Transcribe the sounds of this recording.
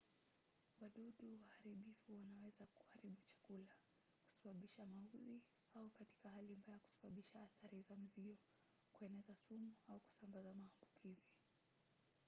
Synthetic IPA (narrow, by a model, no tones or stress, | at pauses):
waɗuɗuwahaɾiɓifuwanawɛzaku̥haɾiɓut͡ʃḁkula | ku̥saɓaɓiʃamauzi | aukati̥kaɦalimbajaku̥sḁɓaɓiʃaːθaɾizam̩ziɔ | kuɛnɛzasumuauku̥sambazamaːmbukʰizi